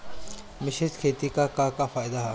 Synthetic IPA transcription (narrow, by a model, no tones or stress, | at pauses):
mɪɕit̪kʰet̪ikakakafaːjd̪aɦa